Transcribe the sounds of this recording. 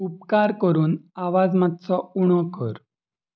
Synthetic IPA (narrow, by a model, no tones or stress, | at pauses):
up̚kaɾkəɾuːnaʋad͡zmat̪t͡sɔuɽ̃ɔkə̰ɾ